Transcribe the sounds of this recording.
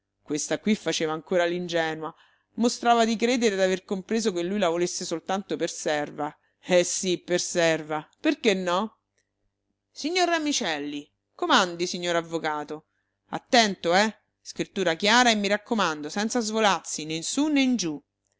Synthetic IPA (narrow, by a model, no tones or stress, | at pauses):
kwest̪akwifːat͡ʃeːvaːŋkoːɾalind͡ʒɛːnwa | most̪ɾaːvad̪ikɾeːd̪eɾed̪averkompɾeːzokelːujlavolesːesolt̪ant̪opersɛrva | ɛsipːersɛrvaperkenːɔ | siɲːoɾamit͡ʃɛlːi | komand̪isiɲːoːɾavːokaːt̪o | a̰t̪ːɛnt̪oɛ | skɾit̪ːuːɾakjaːɾaemːiɾakːomand̪osɛnt̪sazvolarsinensunːend͡ʒu